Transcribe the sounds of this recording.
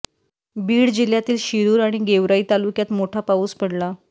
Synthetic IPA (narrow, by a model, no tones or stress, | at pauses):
biːɽd͡ʑil̤jat̪iːlɕiɾuːɾaɽ̃iɡeʋɾaiːt̪alukjat̪moʈʰapauːspəɽla